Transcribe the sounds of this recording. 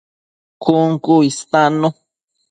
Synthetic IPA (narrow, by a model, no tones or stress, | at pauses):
kuŋkuist̪ano